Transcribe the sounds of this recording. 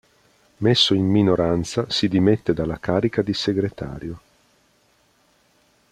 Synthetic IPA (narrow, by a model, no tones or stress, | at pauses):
mesːoimːinoɾant̪sasid̪imet̪ːed̪alːakaːɾikad̪iseɡɾet̪a̰ːɾjo